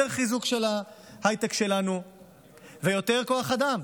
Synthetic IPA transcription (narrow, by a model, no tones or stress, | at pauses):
eʁχizukʃe̞la | hajt̪ekʃe̞lanu | ve̞jo̞t̪e̞ʁko̞aχad̪am